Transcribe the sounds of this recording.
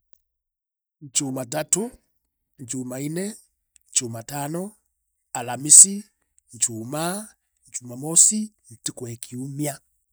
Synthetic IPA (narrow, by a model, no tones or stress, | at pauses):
ɲt͡ʃumatato | ɲt͡ʃumainɛ | ɲt͡ʃumatanɔ | alamisi | ɲt͡ʃuma | ɲt͡ʃumamɔsin̩tikwɛkʰiumia